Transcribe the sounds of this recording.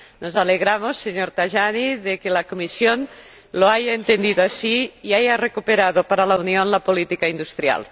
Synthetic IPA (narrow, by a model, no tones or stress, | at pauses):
nozaleɣɾamosːeɲoɾt̪aʒaniðekelakomisjon | loajaent̪end̪iðoasiiajarekupeɾaðopaɾalaunionlapolit̪ikaind̪ust̪ɾja̰l